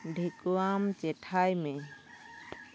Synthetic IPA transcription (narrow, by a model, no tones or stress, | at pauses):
ɖʱekuamt͡ʃɛʈʰajmẽ